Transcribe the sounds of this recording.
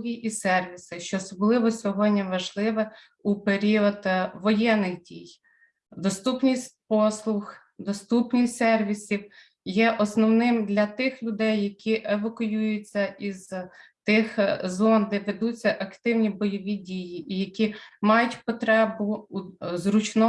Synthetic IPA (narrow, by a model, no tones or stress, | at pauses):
ɦʲiʔisɛrʋʲisɪʃt͡ʃɔːsɔblˠɪʋɔsʲɔɦɔdʲnʲɐʋɐʒlˠɪʋɛ | upeɾʲiɔd̪ʋɔjɛnːɪxdʲij | d̪ɔst̪upnʲisʲt̚ʲpɔslˠʊx | d̪ɔst̪upnʲijʲsɛrʋʲisʲiw | jɛʔɔsnɔwnɪmd̪lʲɐt̪ɪxlʲʊd̪ɛjːɐkʲiʔeʋɐkʊjujʊt͡sʲːɐʔizt̪ɪxzɔnd̪ɛʋed̪ut͡sʲːɐʔɐkt̪ɪwnʲibɔjɔʋʲidʲijiʔijɐkʲimɑjʊtʲpɔt̪ɾɛbʊuzrʊt͡ʃnɔ